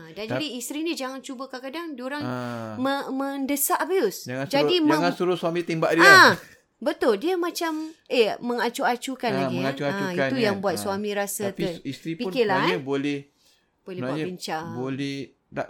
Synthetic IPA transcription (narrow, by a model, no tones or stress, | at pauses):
adand͡ʒadiːst̪ɾinid͡ʒaŋant͡ʃubəkakadaŋdioɾaŋməmə̃ndəsaʔbiʊsd͡ʒaŋnd͡ʒadimd͡ʒaŋansuɾʊsuamit̪imbaʔdia | bət̪ʊldiamãt͡ʃameməŋat͡ʃuat͡ʃukanlaɡiəat͡ʃuaauiaujaŋbuat̪̚suamĩɾasat̪əist̪ɾipinkɪlaɲabolɛh | b̥olɛhəɲbəɲt͡ʃabolɛh | da̰ʔ